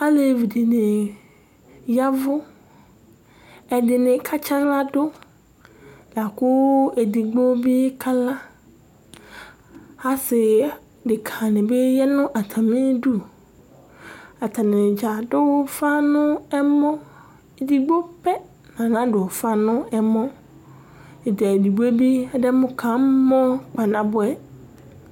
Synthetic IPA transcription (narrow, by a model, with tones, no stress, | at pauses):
a˦le˨vi˨di˨nɪ˨ | ja˦vʊ˦ | ɛ˨dɪ˨nɪ̃˨kʰa˦t͡ʃa˦ɡla˦dʊ˦ | la˨kʊ˦e˨di˨ɡ͡bo˦bi˦kʰa˦la˦ | a˦sɪ˨ | dɪ˨kʰa˨nɪ̃˨be˦jɛ˦nʊ̃˦ʔa˨t̪ʰa˨mĩ˦du˦ | a˨t̪ʰa˨nɪ̃˨d͡ʒa˨dʊ˦wfa˦nʊ̃˦ɛ˦mɔ̃˦ | e˨di˨ɡ͡bo˦pɛ˦ | nã˨nã˦dʊ˨fa˦nʊ̃˦ɛ˦mɔ̃˦ | e˨da˨e˨di˨ɡ͡bo˦bi˦dɛ˦mʊ̃˦kʰã˨˦mɔ̃˦k͡pa˨nã˨bʊ˦ɛ˨